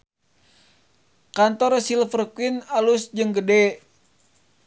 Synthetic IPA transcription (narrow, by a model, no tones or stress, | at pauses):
kant̪ɔrsilfərkuwinalusd͡ʒɨŋɡədɛ